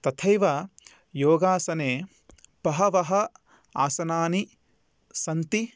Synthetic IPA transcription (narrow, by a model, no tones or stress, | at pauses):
t̪ɐt̪ʰɐjʋɐ | joːɡaːsɐneː | pɐɦɐʋɐɦɐ | aːsɐnaːni | sɐnt̪i